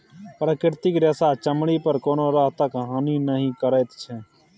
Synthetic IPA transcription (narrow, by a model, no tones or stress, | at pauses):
pɾəkɪɾt̪ɪkɾɛːsaːt͡ʃəmɽiːpəɾkoːnoːɾaɦt̪əkɦaːniːnəɦĩːkəɾeːt̪t͡ʃʰɛː